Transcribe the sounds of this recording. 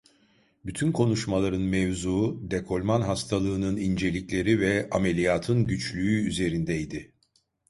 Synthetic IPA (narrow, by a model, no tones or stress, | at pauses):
byt̪ʰynkʰo̞nuʃmalˠaɾɯnmevzuːd̪ekʰo̞lʲmanɦast̪ʰalˠɯːnɯnind͡ʒe̞lʲiclʲe̞ɾivɛame̞lʲijaːt̪ʰɯnɟyt͡ʃlʲyːyze̞ɾind̪ɛjd̪ɪ